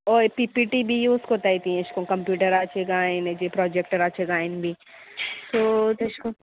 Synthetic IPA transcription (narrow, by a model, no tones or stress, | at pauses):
ɔːpipiʈibʱijuːskot̪aːit̪ĩɪʃkõkɐ̃mpjuːʈəɾaːt͡ʃʰeɡaːẽned͡ʒepɾɔːd͡ʒek̚ʈəɾaːt͡ʃʰeɡaːɪnbʱi | t̪oːt̪ɐʃkõ